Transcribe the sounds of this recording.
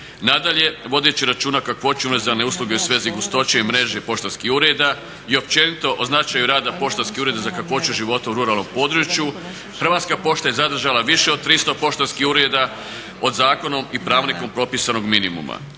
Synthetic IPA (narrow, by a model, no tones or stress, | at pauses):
nad̪aʎe̞ʋo̞d̪et͡ɕiɾat͡ʃuːnakakʋo̞t͡ɕeumɾezane̞uslˠuɡe̞usʋe̞ːziɡust̪o̞t͡ɕeimɾe̞ːʒepo̞ʃt̪anskixuɾed̪a | io̞p̚t͡ʃe̞nit̪o̞ʔoznat͡ʃajuɾaːd̪apo̞ʃt̪anskiuɾe̞d̪azakakʋo̞t͡ʃuʒiʋo̞t̪auɾuɾalˠno̞mpo̞ːd̪ɾut͡ɕju | xɾr̩ʋat̪skapo̞ːʃt̪aje̞zad̪r̩ʒalaʋiʃe̞od̪̚t̪ɾist̪o̞po̞ʃt̪anskixuɾed̪a | o̞d̪zaːko̞no̞mipɾaːʋniko̞mpɾo̞pisano̞ɡminimṵma̰